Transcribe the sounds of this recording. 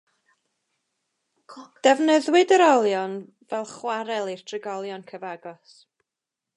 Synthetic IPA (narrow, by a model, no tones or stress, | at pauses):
d̥ɛvnəðwɪdəɾɔlˠjɔn | vɛlˠχwaɾɛlˠir̥tʰrɪɡɔlˠjɔnkʰəvaɡɔs